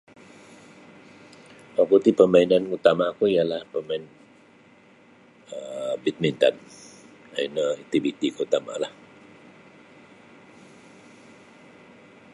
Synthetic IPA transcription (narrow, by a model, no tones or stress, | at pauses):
wakut̪ipəmainanut̪amakuijalahpəmaɪn | əbit̪̚mint̪a̰n | a̰inəit̪ibit̪ikuut̪ama̰lah